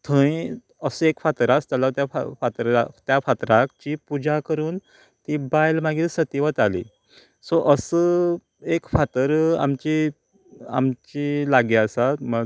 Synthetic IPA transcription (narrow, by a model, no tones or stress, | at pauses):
t̪ʰə̃ĩ | əsəekfat̪əɾast̪jalat̪jafa̰fat̪ɾat̪jafat̪ɾakt͡ɕipud͡ʑakəɾuːn | t̪ibajlmaɡisət̪iʋət̪alḭ | sɔʔəsə | ekfat̪əɾa̰mt͡ɕi | a̰mt͡ɕilaɡeəsamə